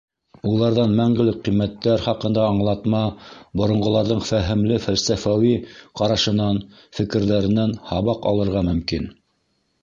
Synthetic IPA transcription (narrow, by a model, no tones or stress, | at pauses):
ulˠɑɾðɑnmæŋɡɘ̆lɘk̚qːimːæt̪ːæɾχɑqɤ̆nd̪ɑːɴlˠɑt̪mɑbŏɾŏɴɢŏlˠɑɾðɤɴfæɦɘ̆mlɘfælsæfæwiqɑɾɑʃɤ̆nɑn | fɘ̆kɘ̆ɾðæɾɘ̆nænhɑβɑqɑ̰lˠɤ̆ɾʁɑmɵ̆mkin